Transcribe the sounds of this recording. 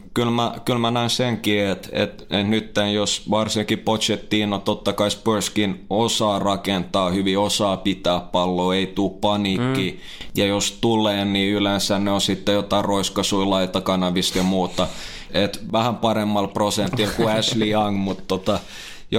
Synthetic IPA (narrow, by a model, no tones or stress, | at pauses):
kylmækylmænæinseŋkiet̪ḛt̪et̪nyt̪ːenjosʋɑrsiŋkipot̪t͡ʃet̪ːiːnot̪ot̪ːɑkɑispørskinosɑːrɑkent̪ɑːhyʋiosɑːpit̪æːppɑlːoːeit̪uːppɑnikːi | jɑjost̪ulːˑeːnniylensænneosit̪ːejot̪ɑiroiskɑsuilɑit̪ɑkɑnɑʋist̪jɑmuːt̪ɑ | et̪ʋæhæmpɑɾemːɑlprosent̪ilkuæsliɑŋɡmut̪t̪ot̪ɑ | j